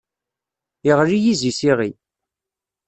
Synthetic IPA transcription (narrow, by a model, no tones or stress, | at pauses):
iʁlijizisiʁi